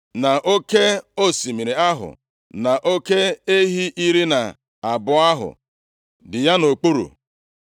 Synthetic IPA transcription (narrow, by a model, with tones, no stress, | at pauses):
na˨ʔo˦ke˦o˦˨si˨mi˨ɾi˨a˦ɦʊ̰˨ | na˨ʔo˦ke˦e˦ɦi˦ʔi˦ɾi˦na˨ | a˨bʊ˨a˦ɦʊ̰˨ | dɪ˨ja˦no˨k͡pu˦ɾṵ˨